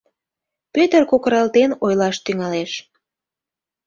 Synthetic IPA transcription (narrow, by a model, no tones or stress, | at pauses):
pøt̪ərkokəɾɑlt̪enojlɑʃt̪yŋɑleʃ